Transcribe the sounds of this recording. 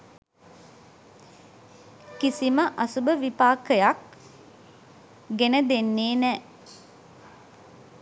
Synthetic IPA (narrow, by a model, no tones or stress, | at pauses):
kisiməʔasubəʋipaːkəjak̚ | ɡenəd̪enːeːnɛ